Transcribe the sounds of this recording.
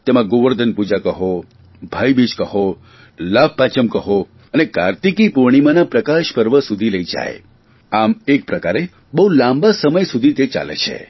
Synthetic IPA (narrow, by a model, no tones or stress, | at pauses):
t̪emãɡoʋəɾd̪ʱənpud͡ʒakəɦo | bʱajbid͡ʒkəɦo | lab̚pat͡ʃəmkəɦo | əneka̰ɾt̪ikipuɾɽ̃imãnapɾəkaʃpəɾʋəsud̪ʱiləid͡ʒa̰jḛ | amek̚pɾəkaɾe | bəɦulãmbasəməjsud̪ʱit̪et͡ʃa̰lḛt͡ʃʰḛ